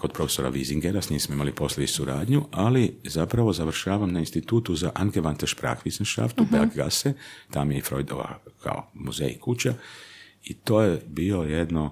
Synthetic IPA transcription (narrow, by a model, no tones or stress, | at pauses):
ko̞d̪pɾofeso̞ɾa̰ʋiziŋɡeɾasɲʲiːmsmoimalipo̞slʲed̪isuɾaːd̪ɲualizapɾaʋo̞zaʋrʃaːʋamnainst̪it̪uːt̪uzaʔaŋɡeʋant̪eʃpɾa̰ːxʋisnʃa̰ft̪ubeakɡa̰set̪aːmjefɾo̞jd̪o̰ʋa̰kʰa̰o̰muzḛjḭkʰut͡ɕa | it̪oːjebio̞jed̪no